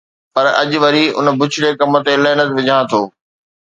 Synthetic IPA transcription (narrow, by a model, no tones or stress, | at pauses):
pɐɾɐ̰ʄʊʋɐɾiʊ̰nbʊt͡ɕʰɪɽekɐmət̪eɪləɦɪnət̪ʋɪd͡ʑʱãːt̪ʰoː